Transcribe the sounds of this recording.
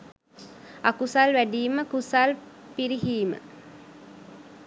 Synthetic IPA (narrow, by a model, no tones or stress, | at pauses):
akusalʋæɖiːməkusalpiɾiɦiːmə̰